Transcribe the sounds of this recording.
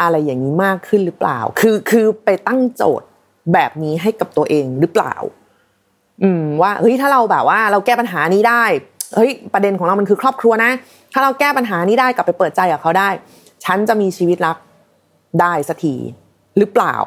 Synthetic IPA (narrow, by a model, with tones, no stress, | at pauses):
ʔa˧ɾa˧jːaː˨˩ŋːiː˦˥maː˥˩kʰːɯ˥˩nɾɯ˦˥pla̰ː˨˩wkʰɯː˧kʰɯː˧pa˧jt̪a˥˩ŋt͡ɕo̰ː˨˩t̪̚ | bɛː˨˩p̚niː˦˥ɦa˥˩jka˨˩p̚t̪u˧ɐʔeː˧ŋɾɯː˦˥pla̰ː˨˩w | ʔɯː˨˧mwaː˥˩ʔɤ˦˥jt̪ʰaː˥˩ɾa˧wbɛː˨˩p̚waː˥˩ɾa˧wkɛː˥˩pa˧nɦaː˩˦niː˦˥daː˥˩jhɤ˦˥jpɾa˧de˧nkʰɔː˨˩˦ŋɾa˧wm˧nkʰɯː˧kʰɾɔː˥˩p̚kʰɾu˧ɐna˦˥ | t̪ʰaː˥˩ɾa˧wkɛː˥˩pa˧nɦaː˩˦niː˦˥daː˥˩jka˨˩pːa˧jpɤː˨˩t̪̚t͡ɕa˧jkaː˨˩kʰa˦˥wdaː˥˩j | t͡ɕʰa˦˥nt͡ɕa˨˩miː˧t͡ɕʰiː˧wi˦˥t̪̚ɾa˦˥k̚ | daː˥˩jsa˧t̪ʰḭː˨˩ | ɾɯ˦˥pla̰ː˨˩w